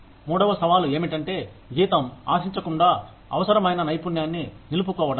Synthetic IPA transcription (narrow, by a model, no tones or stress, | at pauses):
muːɽɐʋɐsɐʋaːlue̞ːmiʈɐɳʈe̞ː | ɡiːt̪ɐma̰ːsiɲt͡ʃɐkuɳɖaː | ɐ̰ʋɐsɐɾɐmɐjnɐnɐjpunjaːnːinilup̬ukɔːʋɐɽɐ